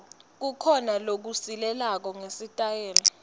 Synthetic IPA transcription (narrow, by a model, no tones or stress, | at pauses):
k̬ukʰɔnalok̬usilɛlak̬ɔŋesitʼajɛːlɔ